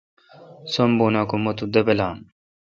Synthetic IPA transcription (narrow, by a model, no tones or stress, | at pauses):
somboːnakumot̪ud̪ɐbelaːm